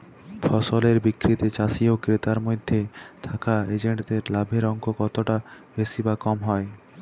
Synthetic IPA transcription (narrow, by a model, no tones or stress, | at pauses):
fʰɔsoleɾbikɾit̪et͡ɕasiokɾet̪aɾmod̪ʱːet̪ʰakaed͡ʑeɳʈd̪eɾlabʱeɾɔŋkokɔt̪oʈa | b̥esibakɔmɦɔe